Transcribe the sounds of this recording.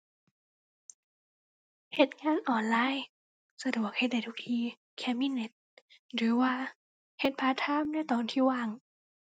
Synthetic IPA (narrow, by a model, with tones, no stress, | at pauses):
he˨˩t̪̚ŋaː˧˥˨nʔɔː˨˩nlaː˧˥˨j | sa˧du˨˩ək̚he˧˩t̪̚da˧˩jt̪ʰu˧˥k̚t̪ʰiː˧ | kʰɛ˧˩miː˧˥˨ne˧˦t̪̚ɾɯː˨˦waː˧ | he˨˧˦t̪̚pʰaː˧˦t̪ʰaː˧˥˨mna˧˥˨t̪ɔː˨˦nt̪ʰiː˧˩waː˧˩ŋ